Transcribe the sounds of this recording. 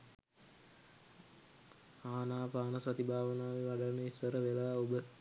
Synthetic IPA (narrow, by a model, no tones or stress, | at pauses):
aːnaːpaːnəsat̪ibʱaːʋənaːʋeʋaɖanəisʋəɾəʋelaːobə